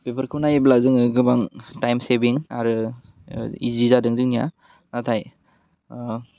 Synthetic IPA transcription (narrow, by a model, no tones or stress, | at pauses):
pepʰəɾkʰɯwnajiblazɯŋɯɡɯbaŋtajmsebiŋaɾɯ | ḭzizadɯŋzɯŋnija̰ | natʰaj